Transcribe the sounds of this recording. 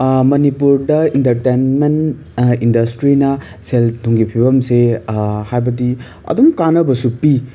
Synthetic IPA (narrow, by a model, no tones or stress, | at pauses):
mɐnipuɾdɐintɐɾtenmen | indɐstɾinɐ | seldʰʱuŋɡipʰibɐmsehajbɐdi | ɐ̰dumkanɐbɐsupi